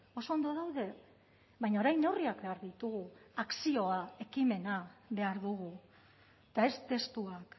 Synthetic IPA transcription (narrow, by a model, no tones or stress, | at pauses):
o̞so̞ːnd̪o̞ðawðe̞ | βajɲaoɾajne̞wriakbe̞aɾðit̪uɣuaksio̞ae̞kime̞naβe̞aɾðuɣu | t̪ae̞st̪e̞st̪uak